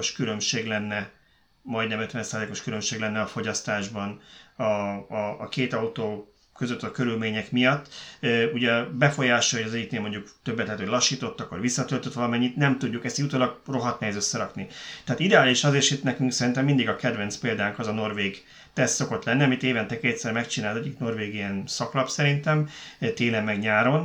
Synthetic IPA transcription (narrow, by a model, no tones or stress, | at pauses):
oʃkylø̞mʃeːɡlɛnːɛ | mɒjd̪nɛmøt̪vʋɛnsaːzleːko̞ʃkylømʃeːɡlɛnːɛɒfo̞ɟɒst̪aːʒbɒnɒɒːkeːt̪ɒut̪oː | kø̞zøt̪ːɒkøɾylmeːɲɛkmijɒt̪ːuɟɛbɛfo̞jaːʃoolojɒzɛɟːit̪neːlmo̞ɲɟukt̪øbːɛt̪lɛːt̪holɒʃːiːt̪o̞t̪ːɒkːorʋisːɒt̪ø̞lt̪øt̪ʋɒlɒmɛɲːit̪nɛmt̪uɟːukɛst̪jut̪oːlɒɡro̞ɦɒt̪niɛzøsːɛɾɒknit̪ɛaːt̪id̪ɛaːliʃɒzeːɾʃit̪nɛkyŋksɛɾint̪ɛmːind̪iɡɒkɛd̪vɛnt̪speːld̪aːŋkɒzɒno̞rveːɡ | t̪ɛst̪so̞ko̞t̪lɛnːiɒmit̪eːvɛnt̪ɛkeːt̪sɛɾmɛkt͡ʃinaːlzɛɟikno̞rveːɡijɛnsɒklɒpsɛɾint̪ɛmt̪eːlɛmːɛɡɲaːɾo̞n